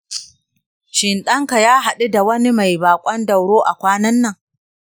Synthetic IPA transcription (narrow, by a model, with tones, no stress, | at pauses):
ʃɪ˨nɗɐ˦ŋka˨jaː˦ɦa˨ɗu˦da˨wɐ˦ni˦ma˨jbaː˨kʷʼɐ˦ndɐ˨wɽoː˦ʔa˨kʷaː˦nɐ˦nːɐ˦˨ŋ